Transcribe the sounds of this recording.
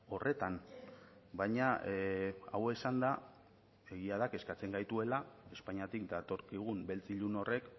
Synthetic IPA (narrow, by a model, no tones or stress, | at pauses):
o̞rʔe̞t̪an | baɲa | a̰we̞sand̪a | e̞ɣiað̞ake̞skat͡se̞ŋɡajt̪ue̞lae̞spaɲiat̪ikd̪at̪o̞ɾkiɣ̞umbe̞lt͡siʎuno̞rʔe̞k